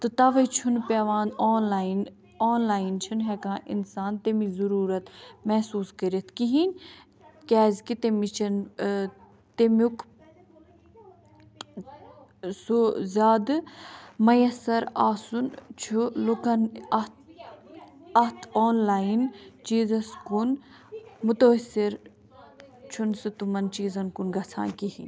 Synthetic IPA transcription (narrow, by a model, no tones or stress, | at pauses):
t̪ɨt̪ɐʋɐjt͡ʃʰunpʲeʋaːnoːnlaːin | oːnlaːint͡ʃʰɐnɦɛkãːʔḭnsaːnt̪emizɐɾuːɾɐt̪mɛɦsuːskɐɾɐt̪ʰkiɦinʲ | kʲɛːzkit̪emit͡ʃʰɐn | t̪emjuk | suzʲaːd̪ | mɐjɐsɐɾaːsunt͡ʃʰulukɐnɐ | ɐht̪ʰoːnlaːint͡ʃiːzɐskun | mut̪ɐɐsiɾ | t͡ʃʰunsɨt̪umɐnt͡ʃiːzɐnkunɡɐt͡sʰã̰ːkiɦḭnʲ